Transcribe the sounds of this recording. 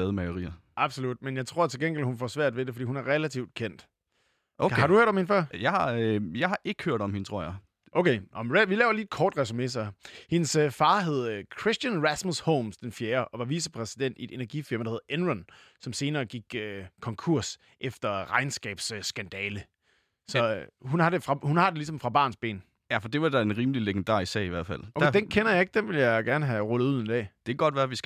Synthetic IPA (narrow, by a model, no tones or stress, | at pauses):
ɛðˠmæɪoʁḭːɐ | ʔɑ̈b̥solud̥menjɑ̈ɪt͡sʰʁo̝ɐ̰t͡sʰe̝lɡ̥enŋɡ̥elhunfɒsʋæɐ̰d̥ʋe̝d̥e̝fɒ̽dḭːhunæɐʁɛlæt͡sʰiʊd̥̚kʰen̰d̥ | ʔohɑ̈ɾuhøɐ̰d̥ɒmhenfɶɐ̰jɑ̈ɪhɑ̈jɑ̈ɪhɑ̈ʔe̝ɡ̥ə̥høɐ̰d̥ɒ̽mhe̝nt͡sʰo̝ɐ̰jɑ̈ɪ | ʔoʊkʰeʔɒmeʋilɛːʊɐliːed̥kʰɒːd̥ʁɛs̬ume̝sɑ̈ɪhe̝nsfɑ̈ːɦe̝ð̞ˠkʰʁisd̥jænʁæsmusho̰ʊmsd̥enfjeːɐʔɒ̽ʋɑ̈ʋisəpʰʁɛsid̥en̰d̥ie̝d̥e̝næɐɡ̥ifiɐ̰md̥ɑhe̝ðˠʔenʁɔn | sɒ̽mse̝ːnɐːɡ̥iɡ̥økʰɒ̽ŋkʰuɐ̰s | ʔefd̥ɐʁɑ̈ɪnsɡ̥ɛ̰ːb̥ssɡ̥ænd̥ɛːlə | sɒ̽hunhɑ̈de̝fʁɑ̈hunhɑ̈d̥e̝lisɒ̽mfʁɑ̈b̥ɑ̰̈ːnsb̥e̝̰ːn | jæfɒd̥e̝ʋɑ̈d̥æenʁiːməlileɡ̥end̥ɑ̰̈ːʁissɛ̰ːiʋæɐ̰d̥fæl̰o̥æ̥eed̥enkʰenɐjɑ̈e̝ɡ̥̚d̥enʋe̝ljɑ̈ɪɡ̥æɐnəɦæʁɔlð̩ˠuð̰ˠend̥ɛ̰ːd̥e̝ɡ̥ɒ̽d̥ʋæɐʋis